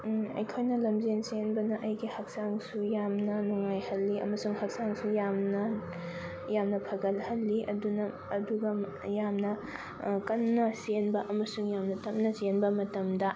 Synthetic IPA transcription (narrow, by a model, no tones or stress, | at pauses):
ɐ̰jkʰojnɐlɐmzensenbɐnɐʔɐjɡihɐk̚saŋsujamnɐnuŋajhɐlːiʔɐ̰mɐsuŋhɐk̚saŋsujamnɐ | jamnɐpʰɐɡɐlhɐlːiʔɐ̰dunɐː | duɡɐ | jamnɐ | kɐnːɐsenbɐʔɐmɐsuŋjamnɐtɐp̚nɐsenbɐmɐtɐmdɐ